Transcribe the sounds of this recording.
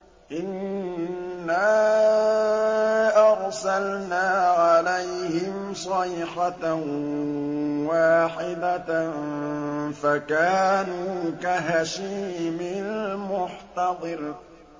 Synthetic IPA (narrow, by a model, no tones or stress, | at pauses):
ʔɪnː | aː | ʔɑɣsalnaːʕalajhɪm | sˤɑjħa | waːħɪd̪a | fakaːnuːkaɦaʃiːmɪlmʊħt̪ɑd̪ˤɨɾ